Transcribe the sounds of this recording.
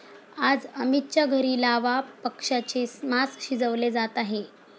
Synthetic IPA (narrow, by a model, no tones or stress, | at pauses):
ad͡zəmit̪̚t͡ɕaɡʱəɾiːlaʋapəkʂat͡ɕemaskɕid͡zəʋled͡zat̪aɦe